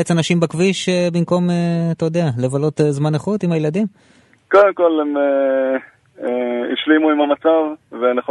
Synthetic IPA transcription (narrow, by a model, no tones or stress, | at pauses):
et͡sanaʃimbakviʃebimko̞met̪ajod̪eale̞valo̞t̪ezmaneχut̪imajelad̪im | ko̞d̪emko̞leme | ḭʃlimuimamat͡savveneχ